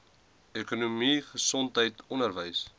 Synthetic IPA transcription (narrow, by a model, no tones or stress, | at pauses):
ekunumiχəsɔntɦəjtɔnərvəjs